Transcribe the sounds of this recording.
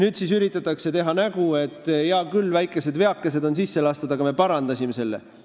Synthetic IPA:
nyːd̪̥sisyɾit̪ːˑɑt̪ːˑɑkse̞t̪e̞ɦɑnæɡ̥ue̞t̪ːˑjɑkylːvæjkːˑe̞se̞d̪ve̞ɑkːese̞d̪o̞nsisːelɑst̪ud̪ɑɡɑme̞pɑɾɑnd̪̥ɑsʲime̞se̞lːḛ

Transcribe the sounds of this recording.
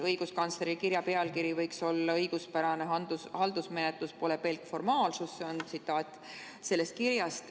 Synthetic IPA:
ɤjɡ̥uskɑnt̪sleɾikirjɑpe̞ɑlkiɾivɤjkso̞lːɑɤjɡ̥uspæɾɑneɦɑnd̪̥ushɑld̪̥usme̞net̪luspo̞le̞pe̞lkfo̞rmɑːlsusseo̞nt̪sit̪ːˑɑːt̪ʲːˑ | se̞lːe̞st̪̚kirjɑst̪

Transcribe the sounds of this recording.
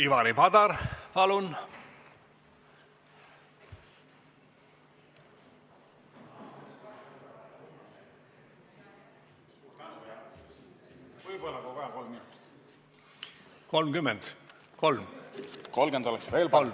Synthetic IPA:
ivɑɾipɑd̪ɑɾpɑlun | vɤjbolːɑkokɑɑkolminut̪ | ko̞lmkymːɛnd̪̥ | ko̞lmkolmend̪o̞lɛksve̞ːlpɑl

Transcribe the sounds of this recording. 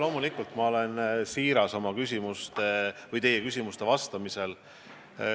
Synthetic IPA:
lo̞ːmulikːˑult̪mɑo̞le̞nsiːɾɑso̞mɑkysʲimust̪evɤjt̪e̞jekys̬ʲimust̪e̞vɑst̪ɑmise̞l

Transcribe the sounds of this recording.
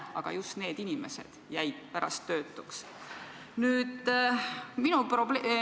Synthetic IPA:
ɑ̰ɡ̥ɑ̰just̪ne̞ːd̪̥inime̞̰se̞̰d̪̥jæjd̪̥̚pæɾɑst̪ːø̞ːt̪ˑːu̥ks | nyːd̪̥ | minuprobe

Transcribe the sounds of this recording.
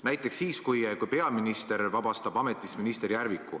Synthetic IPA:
næjt̪ːˑeksːiːskujkujpe̞ɑminist̪e̞ɾvɑb̥ɑst̪ɑb̥ɑme̞t̪ːˑisminist̪e̞ɾjærvikːˑu

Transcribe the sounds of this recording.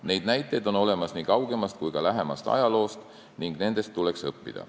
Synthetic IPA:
ne̞jd̪̚næjt̪ːˑe̞jd̪o̞no̞le̞mɑsniːkɑwɡ̥e̞mɑst̪̚kujɡ̥ɑlæɦe̞mɑ̰st̪ɑ̰jɑlo̞ːst̪ | niŋɡ̥ne̞nd̪e̞st̪ːule̞ksɤpːḭd̪̥ɑ̰

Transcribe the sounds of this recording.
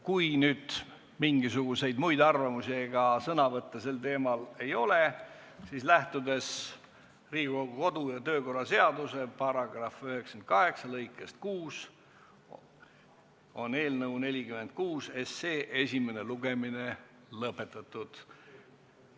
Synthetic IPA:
kujnyːd̪̥ | miŋɡisuɡ̥use̞jd̪mujd̪ɑrvɑmusieɡ̥ɑsɤnɑvɤt̪ːese̞lt̪e̞ːmɑle̞jo̞le | siːslæht̪ud̪e̞s | riːɡoɡko̞d̪̥ujɑt̪ø̞ːko̞rːɑse̞ɑd̪use̞pɑrɑɡrɑfyheksɑ̥ent̪̚kɑɦe̞ksɑlɤjkːˑest̪̚kuːs | o̞ne̞ːlnɤwne̞lʲikyme̞nt̪̚kuːse̞seːʔesʲime̞ne̞luɡ̥e̞mine | lɤpːˑe̞t̪ːˑɑt̪ˑːud̪̥

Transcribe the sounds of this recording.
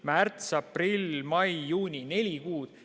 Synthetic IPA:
mært̪sɑprilʲmɑjːuːnʲine̞lʲikuːd̪̥

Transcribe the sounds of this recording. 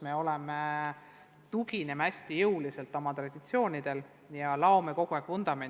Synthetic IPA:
me̞o̞leme | t̪uɡ̥ine̞mæsʲt̪ijɤwlise̞lt̪ːˑɑmɑt̪rɑd̪̥it̪sio̞ːnʲid̪̥e̞l | jɑlɑomeko̞ɡ̥uekvond̪̥ɑmen

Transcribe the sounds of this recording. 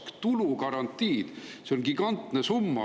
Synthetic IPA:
kt̪ulukɑɾɑnt̪ːˑiːd̪̥seonɡ̥iɡɑnt̪nesumːɑ̰

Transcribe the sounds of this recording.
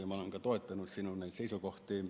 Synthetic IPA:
omɑleŋkɑt̪oˑit̪ːɑnussinunnæit̪seisokoht̪iː

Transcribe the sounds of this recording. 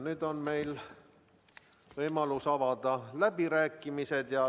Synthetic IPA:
nyːd̪o̞nme̞jl | vɤjmɑlusɑvɑd̪̥ɑlæbiɾæːkːimise̞d̪̥jɑ

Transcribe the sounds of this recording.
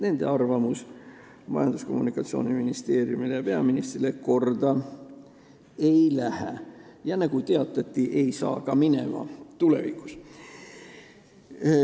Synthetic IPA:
ne̞nd̪̥e̞̰ɑrvɑmus | mɑ̰jɑnd̪usko̞mːunikːˑɑt̪sio̞̰ːniminist̪e̞ːrijumilejɑpeɑminist̪rileko̞rd̪̥ɑ | e̞jlæhæjɑnɑɡ̥ut̪eɑt̪ːˑɑt̪ˑːiʔe̞jsɑ̰ːkɑmine̞̰mɑ̰t̪ule̞̰vikːu̥s

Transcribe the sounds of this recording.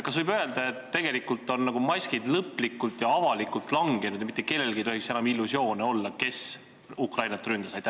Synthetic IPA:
kɑsvɤjbø̞e̞ld̪ɑe̞t̪ːe̞ɡ̥e̞likult̪ːˑo̞nːɑɡ̥umɑsʲkid̪lɤpˑːlikːult̪jɑɑvɑlikːˑult̪ːˑlɑŋɡ̥e̞nud̪jɑmit̪ːeke̞lːe̞lɡ̥ijt̪ohiksenɑmilːusjo̞ːneo̞lːɑke̞s | ukrɑjnɑt̪rynd̪ɑsɑjt̪ːæ

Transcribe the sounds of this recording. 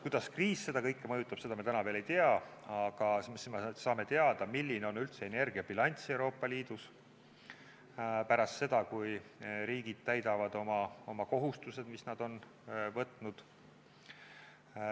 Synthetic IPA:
kujd̪ɑskriːsse̞d̪ɑkɤjkːˑemɤjut̪ːˑɑb̥se̞d̪ɑmiɑt̪ænɑve̞ːlejt̪eɑɑɡ̥ɑssmesɑːme̞t̪e̞ɑd̪̥ɑmilːineo̞nylt̪se̞ene̞rɡ̥iɑbilɑnʲt̪siewɾo̞ːpːˑɑliːd̪̥us | pæɾɑst̪se̞d̪̥ɑkujɾiːɡ̥id̪̥̚t̪æjd̪ɑvɑd̪̥o̞mɑo̞mɑko̞ɦust̪use̞d̪misnɑd̪̥o̞n | vɤt̪ːˑnud̪̥

